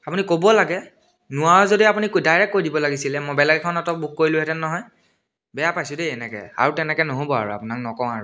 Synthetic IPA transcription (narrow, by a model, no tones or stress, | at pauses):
apunikobɔlaɡɛ | nʊaɹɔzodiapunikdajɹɛk̚kːoɹidibɔlaɡisilɛmojbɛlɛɡɛkʰɔnatɔbuk̚koɹilʊ̃ɦɛtɛnːɔɦɔj | bɛjapajsʊdeɛnɛkɛ̰a̰ɹutɛnɛkɛnoɦobɔa̰ɹua̰punaknɔkɔ̃aɹu